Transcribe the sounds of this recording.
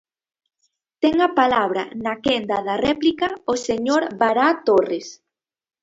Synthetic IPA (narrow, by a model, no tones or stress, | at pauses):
t̪ɛŋapalaβ̞ɾa̰nakɛnd̪aðarɛplikaoseɲoɾβaɾat̪ores